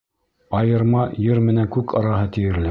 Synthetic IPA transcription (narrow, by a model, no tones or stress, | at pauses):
ɑjɤ̆ɾmɑjɘɾmɘ̆næŋkʉkʰɑɾɑɦɤt̪ɘ̆jɘ̆ɾlɘ